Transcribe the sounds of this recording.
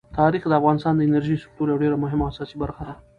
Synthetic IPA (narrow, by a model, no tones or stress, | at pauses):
t̪ʰɑɾixd̪əafɣɑnɪst̪ɑnd̪əɪnəɾʒisʊ̥k̚t̪uɾjawɖeɾamʊɦɪmaːsɑsibaɾxad̪a